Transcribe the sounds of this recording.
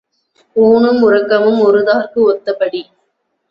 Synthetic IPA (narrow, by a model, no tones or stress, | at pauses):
puːnɯmʊrɐkːɐmɯmɔɾɯðaːrkɯɔt̪ːɐpːɐɽi